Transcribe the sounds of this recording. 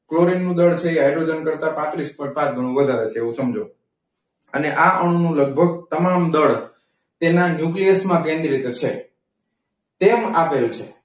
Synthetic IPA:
kloɾinːũd̪əɭt͡ʃʰeːɦajɖɾod͡ʒənkəɾt̪apãt̪ɾispɔ̃ɪ̃ʈ̚pãt͡ʃɡʱəɽ̃ũʋəd̪ʱaɾet͡ʃʰeːʋũsəmd͡ʒʱo | əneʔaʔəɳ̃nũləɡ̚bʱəɡ̚t̪əmamd̪əɭ | t̪enanjuklijəsmãkẽnd̪ɾit̪t͡ʃʰe | t̪emapelt͡ʃʰe

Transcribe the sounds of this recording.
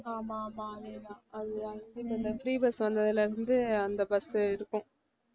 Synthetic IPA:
aːmamaɐneːnãːɐðɯɐnd̪itːɐnd̪ɐfɪɾiːbɐsʋɐnd̪ɐðɪlɐɪɾɯnd̪ɯɐnd̪ɐbɐsɪɾɯkːʊ̃

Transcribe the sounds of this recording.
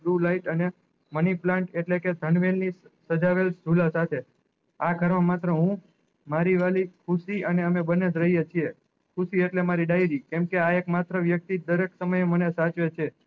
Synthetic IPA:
ɾulaiʈəne | məniplãɳʈeʈleked̪ʱəɳʋelnisəd͡ʒaʋeld͡ʒʱulasat̪ʰe | aɡʱəɾʋãmat̪ɾəɦũ | maɾiʋalikʰusiəneəmebəned͡ʒɾəɦijet͡ʃʰie | kʰuʃieʈlemaɾiɖaiɾikɛmkeaekmat̪ɾəʋjək̚t̪id̪əɾeksəməjemənesat͡ʃʋet͡ʃʰe

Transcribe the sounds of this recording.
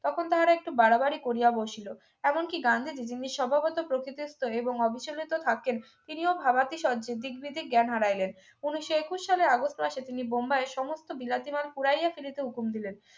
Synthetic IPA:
t̪ɔkʰont̪aɦaɾaek̚ʈubaɽabaɾikoɾijaboʃilo | ɛmonkiɡand̪ʱid͡ʑid͡ʑinːiʃʃɔbʱapɔt̪opɾokit̪ist̪oeboŋɔbʱiʃolit̪ot̪ʰaken | t̪iniobʱabat̪iʃɔd͡ʑed̪ikbid̪ʱiɡɛnɦaɽajlen | uniʃoekuʃːaleɾaɡosʈmaʃet̪inibombaeʃɔmost̪obilat̪imalpuɽaijafiɾit̪eukumd̪ilen

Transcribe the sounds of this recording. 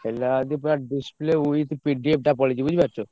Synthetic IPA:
helad̪ipɾaɖispleuit̪piɖiep̚ɖapɔled͡ʑibud͡ʑʱbaɾt͡ɕʰo

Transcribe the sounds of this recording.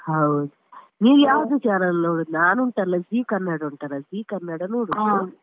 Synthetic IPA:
hɐwd̪u | niːɡjaːʋɐʋit͡ʃaːɾɐlnoːɽunaːnuɳʈɐlɐziːkɐnːɐɽɐuɳʈɐɾɐziːkɐnːɐɽɐnoːɽu

